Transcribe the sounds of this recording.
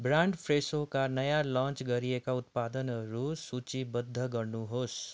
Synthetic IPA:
bɾaɳɖpʰɾesokanəjalɔ̃nt͡ʃɡʌɾiekaut̪̚pad̪ənɾusut͡ʃibəd̪ʱːəɡʌɾnuɦos

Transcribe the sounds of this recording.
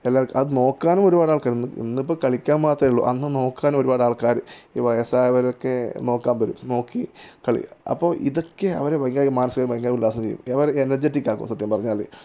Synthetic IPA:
elːaːkɐðɨno̞ːkːaːnumo̞ɾubaːɽaːɭkaːɾinːɨḭnːip̬ːoːkɐɭikʲːaːnmaːt̪rɐiɭːo̰ʔɐnːɨno̞ːkːaːnumo̞ɾubaːɽaːɭkaːɾɨiʋɐjɐsaːjʋɐɾokːe̞no̞ːkːaːnbɐɾṵmno̞ːkːikɐɭḭɐ̰pːo̞ːʔiðo̞kːeɐ̰ʋɐɾeʋɐjŋɡaːjmaːnɐsɨɣɐɭɾmʋɐjŋɡaːjulːaːs̬ɐmt͡ɕejːṵmɐʋɐɾenːɐd͡ʑetːikʲːaːkːṵmsɐt̪jɐmpɐrɐɲːaːlḛ

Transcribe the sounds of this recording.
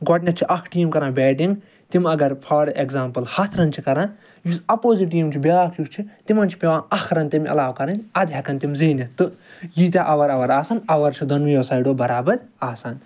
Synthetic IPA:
ɡɔʈnʲɐt͡ʃʰiʔɐkʰʈijɐmkɐɾãːbʲɛːʈiŋɡ | t̪imɐɡɐɾpʰɐɾekzaːmpɐlhɐt̪ʰɾɐnt͡ʃʰikɐɾãː | jisɐpoːziʈijmt͡ʃʰibʲelaːkʰjust͡ʃʰit̪imɐnt͡ʃʰi̥pʲeʋãːɐkʰɾɐnt̪imɐ̰laːwkɐɾɐnʲɐd̪ʱjaːkɐnt̪imʲziːnit̪ɨjit̪ʲaʔɐʋɐɾɐʋɐɾaːsanɐʋɐɾt͡ʃʰid̪ɐnwijosaːjɖoːbɐɾaːbɐɾaːsaːn

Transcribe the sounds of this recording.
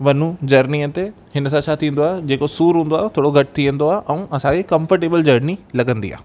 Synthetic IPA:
ʋɐnud͡ʑɐɾniət̪e | hɪnəs̬ãt͡ɕʰat̪ʰĩːnd̪oaːɦd͡ʑeːkosuːɾɦũːnd̪oaːɦt̪ʰoːɽoɡʱɐʈɪ̥t̪ʰiʋẽnd̪oaːɦʔɛ̃ũɐsãkekɐ̃mfəɾʈeːbəld͡ʑɐɾnilɐɡə̃nd̪ḭa̰ːɦ

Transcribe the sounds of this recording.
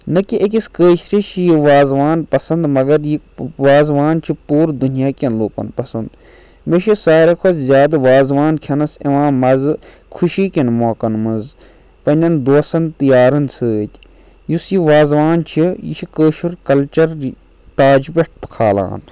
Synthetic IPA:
nɐkiʔekʲiskəːʃɾit͡ʃʰijiʋaːzʋaːnpɐsɐnd̪mɐɡɐɾji | ʋaːzʋaːnt͡ʃʰipuːɾd̪unjaːkʲɐnloːkɐ̰npɐsɐnd̪ | meʃisaːɾekʰɐszʲjaːd̪ɐʋaːzʋaːnkʰʲɐnɐsiʋãːmɐz | kʰuʃiːkʲinmoːkɐnmɐnz | pɐnʲɐnd̪oːsɐnt̪ijaːɾɐnt͡sʰəːt̪ʲ | jusjiʋaːzʋaːnt͡ʃʰijḭt͡ʃʰikəːʃuɾkɐlt͡ʃɐɾ | t̪aːd͡ʒbeʈ̚ʰbɨ̥kʰaːla̰ːn

